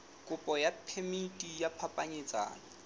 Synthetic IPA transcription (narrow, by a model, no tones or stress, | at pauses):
kʼʊpʼɔjapʰemitʼijapʰapʼaɲɪt͡sʼa̰ːna